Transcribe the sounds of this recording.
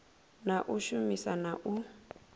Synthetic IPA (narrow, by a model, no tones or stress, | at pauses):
naʔuʃumisanaʔu